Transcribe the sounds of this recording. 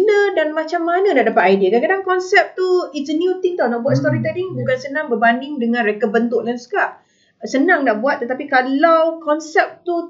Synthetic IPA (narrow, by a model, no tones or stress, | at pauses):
nədanmat͡ʃamːanənaʔdapat̪̚ajdiakankadaŋkɔnsɛp̚t̪uid͡ʒəniut̪iŋt̪awnaʔbuat̪̚st̪ɔɾit̪ɛliŋbukansənãŋbərbandɪŋdəŋãnrekəbənt̪ʊʔ̚lanskaʔ | sənaŋnaʔbuat̪ːət̪apikalawkɔnsɛp̚t̪u